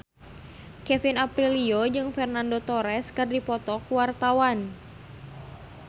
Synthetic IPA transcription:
kɛfinapɾiliod͡ʒɨŋfɛrnandot̪ɔɾɛskɨrdipɔt̪ɔkuwart̪awan

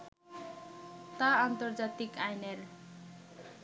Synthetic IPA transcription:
t̪aːnt̪ʌrd͡zat̪ikajner

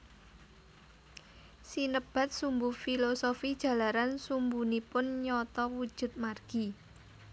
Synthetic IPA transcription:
sinəb̥a̤t̪̚sumbufilosofid̥ʒ̥ä̤laɾansumbunipʊnɲɔt̪ɔwud̥ʒ̥ʊ̤t̪̚marɡ̥i

